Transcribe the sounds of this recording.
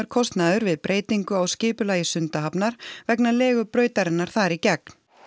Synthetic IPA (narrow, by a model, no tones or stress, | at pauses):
ʏɾ̥kʰɔst̪naðʏɾvɪðpɾʔeːjt̪iŋkʏawscɪːpʏlaːjɪsʏnt̪aɦapnaɾ̥vɛknalɛːɣʏpɾœːɥt̪aɾɪnːaɾ̥θaɾicɛkn̥